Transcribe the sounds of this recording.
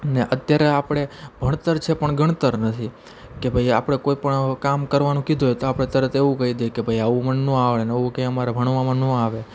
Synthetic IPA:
neʔət̪jaɾeapɽ̃ebʱəɽ̃t̪əɾt͡ʃʰepəɳɡʱəɳt̪əɾnət̪ʰi | kebʱajapɳ̃ekoipəɳkamkəɾʋanũkid̪ʱojt̪oapɽẽt̪əɾət̪ʰeʋũkəɦid̪ekebʱajaʋũmənːũaʋɭenəʋũkeəmaɾabʱəɽ̃ʋamãnũaʋe

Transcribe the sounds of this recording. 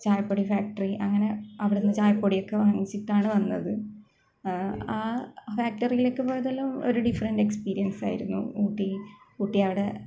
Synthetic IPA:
t͡ɕaːjɐpːoːɽifaːk̚ʈɐriʔɐŋːɐne̞ɐʋiɽenːɨt͡ɕaːjɐpːoːɽijo̞kːe̞ʋɐŋːit͡ɕːiʈːaːɳɨʋɐnːɐ̰ðɨ | aːfaːk̚ʈɐrijilekːɨpoːjɐðelːɐmo̞̰ɾuɖifɐrɐnɖe̞kspiːɾijɐnsa̰ːjḭɾunːṵuːʈːi | uːʈːijɐʋiɽe̞

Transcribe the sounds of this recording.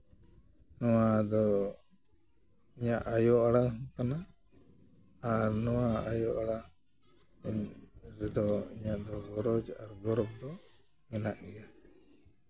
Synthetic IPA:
nɔwad̪ɔ | iɲaʔajɔʔaɽaŋkana | ɾnɔwaajɔʔaɽaŋ | ɾɛd̪ɔiɲaʔd̪ɔɡɔɾɔd͡ʒaɾɡɔɾɔp̚d̪ɔ | mɛnaʔɡɛja

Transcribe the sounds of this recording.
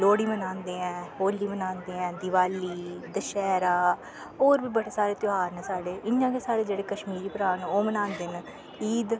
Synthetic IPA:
loːɽiːmənãːnd̪eːɛ̃ːɦoːlːiːmənãːnd̪eːɛ̃ːd̪ɪʋaːliːd̪əʃɛːɾaː | oːɾbiːbəɽeːsaːɾeːt̪ʊɦaːɾnɛ̃ːsaːɖeːʔɪjãːkeːsaːɾeːd͡ʒeːɽeːkəʃmiːɾiːpɾaːnoːmənãːnd̪eːn | iːd̪

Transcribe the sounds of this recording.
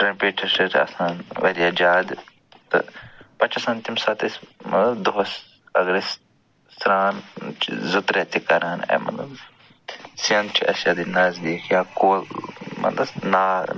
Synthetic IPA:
ʈɾɐpiːʈʰɐɾsɐɾʰɐ̰saːnʋɐɾijaːd͡ʒaːd̪ | t̪ɨ̰pɐt͡ʃɐsɐnt̪imsat̪ismɐ̰t̪lɐbd̪oɦɐs | ɐɡɾes | sɾaːnt͡ʃʰzɨt̪ɾɛːt̪ikɐɾaːnɐ̰ːmɐ̰t̪lɐb | siɐnt͡ʃʰiɐsjaːd̪inaːzd̪iːkʰjaːkoːmɐ̰t̪lɐnaː

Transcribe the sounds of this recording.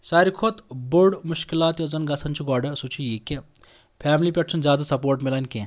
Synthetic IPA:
saːɾikʰot̪boɾɖmuʃkilaːt̪jozɐnɡɐsɐnt͡ʃʰiɡɔːɖɐsut͡ʃʰijiːke | pʰaːmlipʲeʈsɐnzʲjaːd̪ɐsɐpoːɾʈmilanʲkẽ

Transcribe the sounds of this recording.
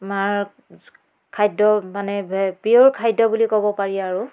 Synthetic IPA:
maɹ | kʰajdɔmanɛbɛbioɹkʰajdɔbulikɔbɔpaɹiaɹu

